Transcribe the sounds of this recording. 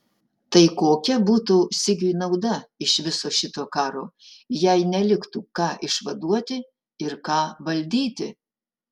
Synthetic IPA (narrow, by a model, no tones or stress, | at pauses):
t̪ɐɪkoːkʲɛbuːt̪usʲɪɡʲʊnɐʊd̪ɐɪʃʋʲɪsoːʃʲɪt̪oːkɑːɾoːjɛɪnʲɛlʲɪkt̪uːkɑːʔɪʃʋɐd̪uɔt̪ʲɪ | ɪɾkɑːʋɐlʲd̪ʲiːt̪ʲɪ